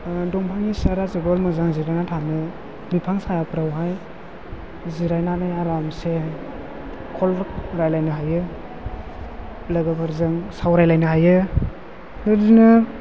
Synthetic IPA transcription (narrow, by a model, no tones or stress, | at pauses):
dɔŋpʰaŋisaɾazɯɡɔlmɯzaŋziɾajnatʰanɯ | mipʰaŋsajapʰɾawɦaj | ziɾajnanajaɾamse | kʰɔlɾajlajnɯɦajɯ | laɡabaɾzɯŋsawɾajlajnɯɦajɯ | nɯdinɯ